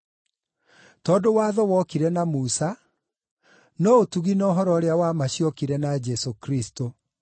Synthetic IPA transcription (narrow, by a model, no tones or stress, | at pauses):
tɔːndowaːðɔwɔkiɾɛnamusa | nɔotuɣinɔɦɔɾɔɾeawamaɕiɔkiɾɛnad͡ʒɛsokɾisto